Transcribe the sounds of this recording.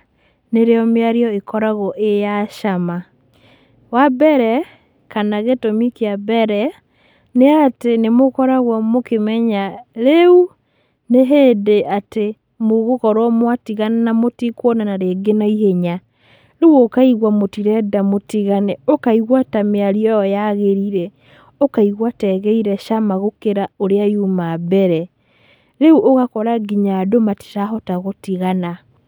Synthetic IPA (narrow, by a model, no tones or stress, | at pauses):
neɾeɔmeaɾiɔekɔɾaɣɔʔejaʃama | wabɛɾɛ | kanaɣetomikeabɛɾɛ | neatenemokɔɾaɣwɔmokemɛɲaɾeu | neɦedeʔate | moɣokɔɾwɔmwatiɣanenamotikwɔnanaɾeːɡenaiheɲa | ɾewokaiɣwamotiɾɛdamotiɣanɛokaiɣwatameaɾiɔɔjaɣeɾiɾɛ | okaiɣwatɛɣɛiɾɛʃamaɣokeɾaoɾeajumabɛɾɛ | ɾeuʔoɣakɔɾaɡiɲadomati̥taɦɔtaɣotiɣana